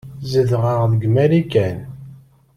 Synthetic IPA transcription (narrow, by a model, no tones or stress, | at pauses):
zəðʁəʁðəɡmæɾikæn